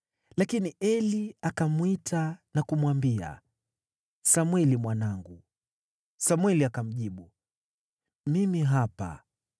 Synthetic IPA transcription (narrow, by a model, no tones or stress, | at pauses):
lakiniʔɛliakamwitʰanakumwambia̰ | samwɛlimwanaŋɡu | samwɛliakam̩ʄiɓu | mimiɦapa̰